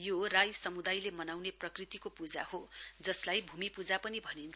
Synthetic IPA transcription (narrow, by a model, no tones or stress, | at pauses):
jorajsʌmud̪ajlemʌnawneprʌkrit̪ikopud͡za̰hod͡zʌslajbʱumipud͡zapʌnibʱʌnint͡sʰ